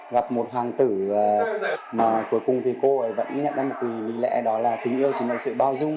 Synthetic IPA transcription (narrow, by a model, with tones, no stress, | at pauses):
ɣa˨˩p̚mo˨˩t̚ɦwaː˨˩ŋt̪ɨ˧˩əː˨˩maː˨˩ku˨˦jkʊ˨˩ŋ͡mt̪ʰi˨˩ko˧ʔə˨˦jvə̰˧˥nɲə˧˩a˧˩m˨˩vi˨˩li˨˦lɛ̰˧˥ɗɔ˨˦laː˨˩t̪i˨˩˦ŋ̟ʔi˧əwt͡ɕi˨˩˦nə̰˧˨sɨ̰˧˨ɓaː˧wzʊ˧ŋ͡m